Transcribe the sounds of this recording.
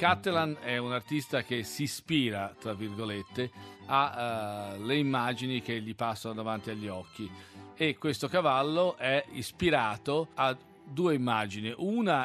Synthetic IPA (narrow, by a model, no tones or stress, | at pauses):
kat̪ːelanɛunart̪ist̪ak̟esispiːɾat̪ɾavːirɡolet̪ːea | leimːaːd͡ʒinik̟eʎːipasːanod̪avant̪iaʎːiɔkʰːiekːwest̪okavalːoʔɛispiɾaːt̪oa | d̪ːuːeimːaːd͡ʒiniʔuːna